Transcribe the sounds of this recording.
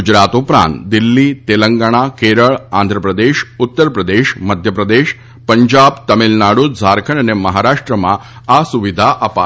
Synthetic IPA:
ud͡ʒɾat̪upɾã̰nt̪d̪ilːit̪eləŋɡaɽ̃akeɾəɭãnd̪ʱɾəpɾəd̪eʃʊt̪ːəɾpɾəd̪eʃməd̪ʱjəpɾəd̪eʃ | pəɲd͡ʒabt̪əmilnaɽud͡zʱaɾkʰənəneməɦaɾaʂʈɾəmã̰ | asuʋid̪ʱaʔəpa̰

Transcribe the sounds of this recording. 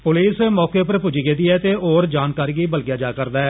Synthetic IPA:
pʊliːsemɔːkeːpəɾpʊd͡ʒiːɡeːd̪iːɛːt̪eːoːɾd͡ʒaːnkaːɾiːɡiːbəlɡjaːd͡ʒaːkəɾd̪aːɛː

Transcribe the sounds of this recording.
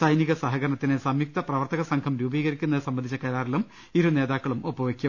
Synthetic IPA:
sɐjniɣɐsɐɦɐɣɐɾɐɳɐt̪ːinɨsɐmjuk̚t̪ɐprɐʋɐrt̪ɐɣɐsɐŋkʰɐmɾuːbiːɣɐɾikʲːunːɐðɨsɐmbɐnd̪ʱit͡ɕːɐkɐɾaːrilum | iɾune̞ːðaːkːɐɭumopːɐʋɐkʲːu

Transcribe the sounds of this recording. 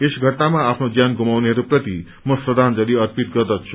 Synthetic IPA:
esɡʱʌʈnamaapʰnod͡zjanɡʱumawneɦʌɾuprʌt̪i | mʌsrʌd̪ʱand͡zʌliʌrpit̪ɡʌrd̪ʌtt͡sʰu̥

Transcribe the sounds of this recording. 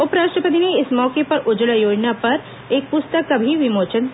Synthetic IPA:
ʊpɾaːʃʈɾəpət̪ineɪsmɔːkepɐɾʊd͡ʒəlajoːd͡ʒnapɐɾ | eːk̚pʊst̪əkːabʱiʋɪmoːt͡ʃən

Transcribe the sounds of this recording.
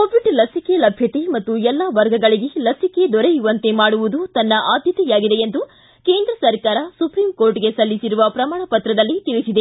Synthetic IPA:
koːʋiɖlɐsikelɐbʱjɐt̪e̞mɐt̪ːuɛlːɐʋɐɾɡɐɡɐɭiɡelɐsike̞d̪ɔɾejuʋɐnt̪e̞maːɽuʋud̪ut̪ɐnːɐʔaːd̪ʱjɐt̪ɛjaːɡid̪e̞jend̪u | ke̞ːnd̪ɾɐsɐɾkaːɾɐsupɾiːmko̞ːɾʈɡe̞sɐlːisiɾuʋɐpɾɐmaːɳɐpɐt̪ɾɐd̪ɐlːit̪iɭisid̪e

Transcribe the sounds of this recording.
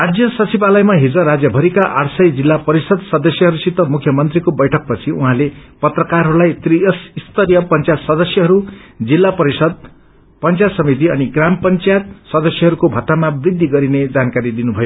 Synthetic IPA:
rad͡zjʌsʌt͡sibalʌjmaɦid͡zʌɾad͡zjʌbʱʌɾikaʔaɽsʌjd͡zilːapʌɾisʌd̪sʌd̪ʌsjʌɦʌɾusit̪ːʌmukʰjʌmʌnt̪rikobʌjʈʰʌk̚pʌt͡sʰiuɦãlepʌt̪rʌkarɦʌɾulajt̪riʌsist̪ʌɾijʌpʌnt͡sjat̪sʌd̪ʌsjʌɦʌɾud͡zilːapʌɾisʌd̪̚ | pʌnt͡sjat̪sʌmit̪̬iʌniɡrampʌnt͡sjat̪sʌd̪ʌsjʌɦʌɾukobʱʌt̪ːamabrid̪ʱːiɡʌɾined͡zankaɾid̪inubʱʌjo

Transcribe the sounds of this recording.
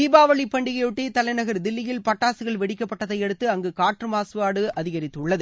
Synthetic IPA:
iːbaːʋɐɭipːɐɳɖɪɣɐjɯʈːeːt̪ɐlɐɪnɐɣɐɾd̪ɪlːɪjɪlpɐʈːaːsɯɣɐɭʋɛɽɪkːɐpːɐʈːɐðɐɪɛɽɯt̪ːɯɐŋɡɯkaːʈrɯmaːsɯʋaːɽɯʔɐðɪɣɐɾɪt̪ːɯɭːɐðɯ

